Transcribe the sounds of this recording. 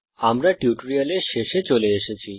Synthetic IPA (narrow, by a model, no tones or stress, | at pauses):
amɾaʈjuʈɾialeɕeɕet͡ɕoleːɕət͡ɕi